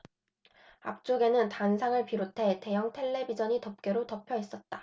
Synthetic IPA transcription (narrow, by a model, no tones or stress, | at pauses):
a̰p̚t͡ɕ͈oɡe̞nɯntansʰaŋɯɭpiɾotʰe̞te̞jʌŋtʰe̞ɭːe̞bid͡ʑʌɲitʌp̚k͈eɾotʌpʰjʌis͈ʌt̚t͈ḁ